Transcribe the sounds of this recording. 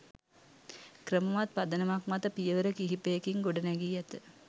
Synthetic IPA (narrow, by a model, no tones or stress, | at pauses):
kɾəməʋat̪̚pad̪ɐnɐmakmat̪əpijəʋəɾəkiɦipejekiŋɡoɖɐnæɡiːɛt̪ə